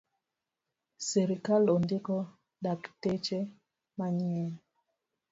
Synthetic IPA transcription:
seɾikalɔndɪkɔ | daktet͡ʃe | maɲiɛl

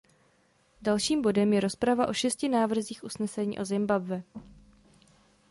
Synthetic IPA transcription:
dalʃiːmbo̞dɛmjɛɾo̞spɾavaʔo̞ʃɛscɪnaːvr̩ziːxʔusnɛsɛɲḭːʔo̞zɪmbabvɛ

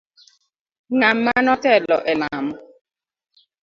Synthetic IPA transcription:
ŋamːanɔtɛlɔ̰ʔɛlamɔ

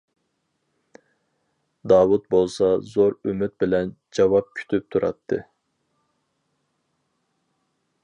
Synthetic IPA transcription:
d̪ɑːwut̪̚bolˠsɑzoɾymyt̪̚bɪlɛn | d͡ʒɑwɑp̚kʲʰy̥t̪ʰyp̚t̪ʰuɾɑ̰t̪ʰːɨ̰

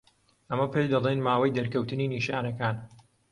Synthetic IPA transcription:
ʔɐmɐpʰet͡ʃd̪ɐlˠeːnmaːwɐjd̪ɐɾkɐwt̪ɨniːniːʃaːnɐkaːn

